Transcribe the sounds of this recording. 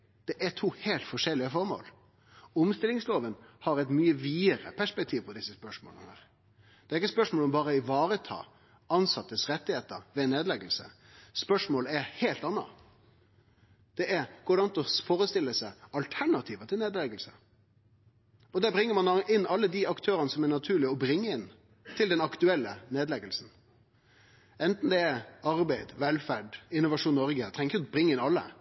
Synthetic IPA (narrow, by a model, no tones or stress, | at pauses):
d̪̥ɛʔɛt̪ʰuːheːlt̪fɔʂɛlːɪəfɔɾmo̰ːl | ʊmst̪ɪlɪŋsloːʋənhɑɾɛɪt̪myːəʋiːəɾə̰pʰæʂpɛk̚t̪ʰiːʋpʰɔd̪ɪsːəspœʂmo̰lnəhæ̰ːɾ | d̪̥ɛːɾɪkːəspœʂmoːlɔmbɑːɾəɪʋɑːɾət̪ʰɑ̰ː | ɑnsɑt̪ːəsɾɛt̪ːɪheːt̪əɾʋɛneːd̪lɛɡəlsə̰ | spœʂmoːləæɾheːlt̪ɑnːɑ̰ | d̪̥ɛʔɛɾkʊɖɑnt̪ɔfoːɾəst̪ɪlːəsæɪɑlt̪ʰæɳɑt̪ʰiːʋət̪ʰɪleːd̪lɛɡəlsə | ɔd̪æbɾɪŋːəɾmɑnʔɪnːɑlːəd̪ɪɑkt̪ʰøːɾənəsɔmæɳɑt̪ʰʉːɭɪɔbɾɪŋːəɪn | t̪ʰɪld̪ɛnɑkt̪ʉɛlːəneːd̪lɛɡəlsn̩ | ɛnt̪n̩d̪ɛɛɑɾbæɪd̪ʋɛlfæɖɪnːʊʋɑʂuːnnɔɾɡət̪ʰɾɛŋkʊbɾɪŋːəɪnɑlːə̰